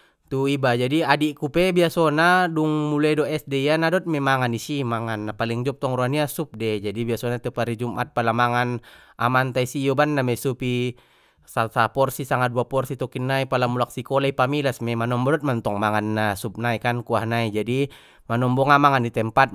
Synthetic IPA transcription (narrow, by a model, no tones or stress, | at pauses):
t̪uibad͡ʒadiadikupɛbiasɔnaduŋmulaidɔɛsdɛianadɔt̪̚mɛmaŋanisimaŋanːapaliŋd͡ʒɔp̚t̪ɔŋɾuaniasup̚dɛd͡ʒadibiasɔnat̪ɛpaɾid͡ʒumʔa̰t̪̚palamaŋan | ʔa̰mant̪aisijɔbanːamɛsupi | salsapɔrsisaŋaduapɔrsit̪ɔkinːaipalamulak̚sikɔlaipamilasmɛmanɔmbɔdɔt̪̚mant̪ɔŋmaŋanːasup̚naikankuahnaid͡ʒadi | manɔmbɔŋamaŋanit̪ɛmpat̪̚